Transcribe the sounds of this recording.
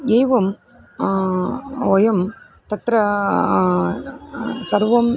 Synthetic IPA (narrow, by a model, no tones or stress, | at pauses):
eːʋɐm | ɔjɐm | t̪ɐt̪ɾɐ | sɐɾʋɐm